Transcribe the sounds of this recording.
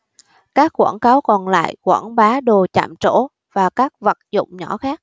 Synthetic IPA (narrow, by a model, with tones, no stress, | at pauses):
kaː˦˥kːwaː˧˩nkaː˨˦wkɔ˨˩nla̰ː˧˨jkwaː˧˩nɓaː˨˦ɗo˨˩t͡ɕa̰ː˧˨mt͡ɕo˧˥˩ | vaː˨˩kaː˦˥k̚və˨˩t̚zʊ̰˧˨wŋ͡mɲɔ˧˥xaː˦˥k̚